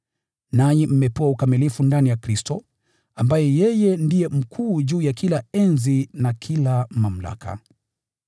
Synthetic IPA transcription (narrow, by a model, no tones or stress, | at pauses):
najɛm̩mɛpuwaukamilifundanijakɾistɔ | ambajɛjɛjɛndijɛm̩kʰuːʄuːjakʰilaɛnzinakʰilamam̩la̰kʰa̰